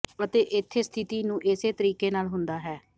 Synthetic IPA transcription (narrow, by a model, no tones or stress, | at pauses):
ət̪eːʔɪt̪ʰːeːst̪ʰɪt̪iːnũːʔɪseːt̪əɾiːkeːnaːlɦʊnd̪aːɦɛː